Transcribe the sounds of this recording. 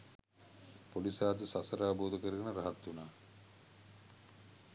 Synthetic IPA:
polisaːt̪usasɐɾaːboːd̪okəɾeɡɐnəɾaɦat̪ːunaː

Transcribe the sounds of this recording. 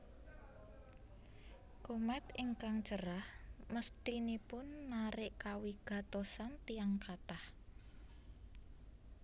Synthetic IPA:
komat̪iŋkaŋt͡ʃəɾahməst̪inipʊnːaɾɪʔkawiɡ̥ä̤t̪osant̪iaŋkat̪ah

